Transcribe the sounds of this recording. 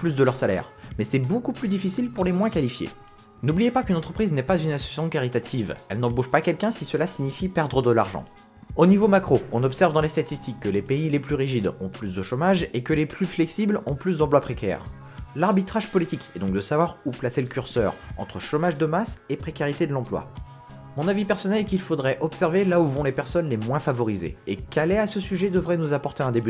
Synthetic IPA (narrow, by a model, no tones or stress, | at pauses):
plys̬d̪əlœʁsalɛ̰ːʁmɛsɛbokuplyd̪ifisilpuʁlemwɛ̃kalifjḛ | nublijepakynɑ̃t̪χəpχiznɛpazynasɔ̥sjasjɔ̃kaʁit̪at̪ʰivɛ̰lnɑ̃boʃpakʲɛlkʲɛ̃sisəlasiɲifipɛʁd̪ʁəd̪əla̰ʁʒɑ̰̃ | onivomakχoɔ̃nɔpsɛʁvd̪ɑ̃lest̪at̪ist̪ikːəlepeileplyʁiʒid̪ɔ̰̃plysd̪əʃomaʒekəleplyflɛksiblɔ̃plys̬d̪ɑ̃p̬lwapχekʲɛ̰ːʁ | laʁbit̪χaʒpɔlit̪ikɛd̪ɔ̃ŋk̚d̪əsavwaʁuplaseləkʲyʁsœ̰ʁɑ̰̃t̪χəʃomaʒd̪əmasepχekʲaʁit̪ed̪əlɑ̃plwa̰ | mɔ̃navipɛʁsɔnɛlɛkʲilfod̪ʁɛʔɔpsɛʁvelauvɔ̃lepɛʁsɔnlemwɛ̃favɔʁizḛekɛlɛasəsyʒɛd̪əvʁɛnuzapɔʁt̪eɛ̃d̪eby